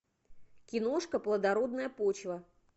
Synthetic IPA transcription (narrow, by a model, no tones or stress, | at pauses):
kʲɪno̞ʂkəplˠəd̪ɐɾo̞d̪nəjəpot͡ɕvə